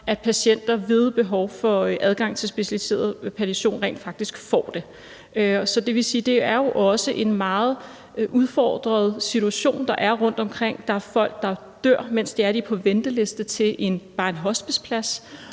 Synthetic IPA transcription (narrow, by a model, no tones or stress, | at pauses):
ʔæd̥pʰæɕen̰d̥ɐʋe̝ðˠb̥e̝ɦɒʊfɒ̽ʔæð̞ˠɡ̥ɑ̈ŋ̰t͡sʰe̝lsb̥e̝ɕælise̝̰ːɐðˠpʰæt͡sʰiɕo̝̰ːnʁɛ̰ːnd̥fɑ̈ɡ̥̚d̥isɡ̥fɒ̰ːd̥e̝ | sɒ̽d̥e̝ʋe̝siːd̥e̝æɐjo̝ʔɒ̽səʔe̝nmɑ̈ːð̞̩ˠ | ʔuð̞ˠfɒ̰ːd̥ʁɐð̞̩ˠsit͡sʰuæɕo̝̰ːnd̥ɑ̈ʔæɐʁɔ̽n̰d̥ɒ̽mkʰʁeŋ̰d̥ɑ̈æɐfɒ̽l̰ɡ̥̚d̥ɑ̈ | d̥øɐ̰men̰sd̥e̝æɐɾ̥ipʰɒ̽ʋend̥əle̝sd̥ət͡sʰe̝lʔe̝nb̥ɑ̈ːenɦɒ̽sb̥i̥spʰlæs